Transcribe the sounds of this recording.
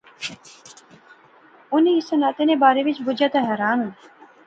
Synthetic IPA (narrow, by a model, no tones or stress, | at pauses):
ʊnisənaːt̪eːnebaːɾeʋɪt͡ʃbʊd͡ʒaːt̪aɦɛːɾaːnu